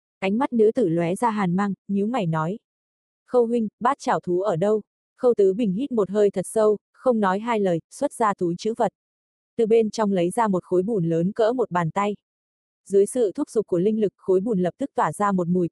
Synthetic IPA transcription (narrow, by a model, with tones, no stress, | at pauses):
ʔa˨˦ŋ̟ma˦˥t̚nɨ̰˧˥t̪ɨ˧˩lwɛ˨˦zaː˧ɦaː˨˩nmaː˧ŋɲi˨˦wŋa˨˩jnɔ˨˦j | xə˧wɦwï˧ŋ̟ɓaː˦˥t̚t͡ɕaː˧˩wt̪ʰu˨˦ʔəː˧˩ɗə˧w | xə˧wt̪ɨ˨˦ɓï˨˩ŋ̟hi˦˥t̚mo˨˩t̚ɦəː˧jt̪ʰə˨˩t̚sə˧w | xə˧wŋ͡mnɔ˨˦jɦaː˧jləː˨˩jswə˦˥t̚zaː˧t̪ʰu˨˦jt͡ɕɨ̰˧˥və˨˩t̚ | t̪ɨ˨˩ɓe˧nt͡ɕɔ˧wŋ͡mlə˨˦jzaː˧mo˨˩t̚xo˨˦jɓu˧˩nləː˨˦nkə̰ː˧˥mo˨˩t̚ɓaː˨˩nt̪a˧j | zɨ˨˦jsɨ̰˧˨t̪ʰu˦˥p̚zʊ˨˩k͡p̚kːu˧˩lï˧ŋ̟lɨ˨˩k̚xo˨˦jɓu˧˩nlə˨˩p̚t̪ʰɨ˦˥k̚t̪waː˧˩zaː˧mo˨˩t̚mu˨˩j